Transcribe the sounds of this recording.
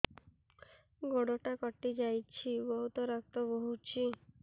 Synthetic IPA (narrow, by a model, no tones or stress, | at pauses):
ɡoɽoʈakɔʈːid͡ʒajt͡ʃʰibɔɦut̪ɔɾak̚t̪ɔbɔɦut͡ʃʰi